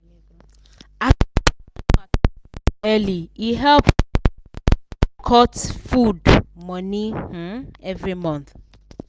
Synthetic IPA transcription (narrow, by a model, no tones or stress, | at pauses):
a | ɛliiɦɛlp | kʰɔtfudmɔnih̩ɛvɹimʌ̃nθ